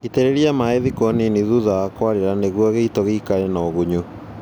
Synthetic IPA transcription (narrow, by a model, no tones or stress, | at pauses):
itɛɾeɾiamaeðikɔneniðuðaakwaɾeɾaneɣuaɣeitɔɣekaɾenaɔɣoɲo